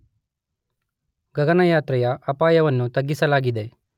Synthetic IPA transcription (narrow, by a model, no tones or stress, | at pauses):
ɡɐɡɐnɐjaːt̪ɾɐjɐɐpaːjɐʋɐnːut̪ɐɡːisɐlaːɡid̪e̞